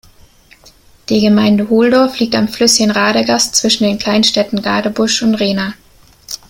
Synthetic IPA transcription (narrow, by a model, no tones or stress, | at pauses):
d̥iːɡəmaɪndəhoːldɔɐfliːk̚tamflʏsɪɡən̩ʁaːɾəɡast͡sv̥ɪʃn̩deːnkʰl̥aɪnʃtɛtn̩ɡa̰ːdəbʊʃʊntʁeːnaː